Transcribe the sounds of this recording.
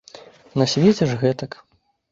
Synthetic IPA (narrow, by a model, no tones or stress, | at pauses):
nɐsʲvʲed͡zʲɛʂɣɛt̪ɐk